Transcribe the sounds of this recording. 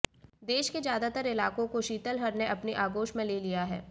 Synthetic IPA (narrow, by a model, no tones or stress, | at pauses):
d̪eːʃkezjaːd̪at̪əɾɪlaːkõkoʃiːt̪əlɦɐɾneʔɐpniʔaːɡoːʃmẽleːlijaɦɛ̰ː